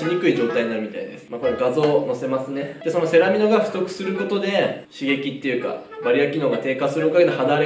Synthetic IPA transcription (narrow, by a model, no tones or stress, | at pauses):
iɲ̟ikɯ̟iʑo̞ːt̪aiɲ̟inaɾɯ̟mit̪a̰id̪e̞sɨ̥mako̞noɡazo̞ːno̞se̞masɨne̞d̪̥e̞so̞no̞se̞ɾamʲino̞ɡaɸɯ̟̥t̪o̞kɯ̟̥sɨɾɯ̟ko̞t̪o̞d̪e̞ɕiɡe̞kʲit̪ːe̞jɯ̟ːka̰baɾʲijakʲino̞ːɡat̪e̞ːkasɨɾɯokaɡe̞noɦad̪aːɾe